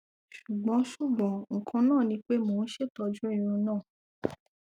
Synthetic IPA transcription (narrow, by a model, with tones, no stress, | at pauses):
ʃu˨ɡ͡bɔ̃˨˦ʃu˦˨ɡ͡bɔ̃˨˦ŋ̩˨kʰã˧nãː˦˨nĩ˧˦k͡pe˦mo˨ñ̩˦ʃe˦˨tɔ˧d͡ʒu˦i˦˨ɾ̃ũ˧nãː˦˨